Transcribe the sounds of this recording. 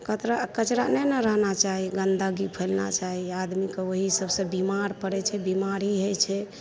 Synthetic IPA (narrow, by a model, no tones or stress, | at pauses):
kət̪ɾakət͡ʃɾanɛnəɾəɦnat͡ʃaɦiɡənd̪aɡipʰəlna̰t͡ʃaɦiad̪mikeoɦisəbsə̃bimaɾpəɾɛt͡ʃʰɛbimaɾiɦojt͡ʃʰɛ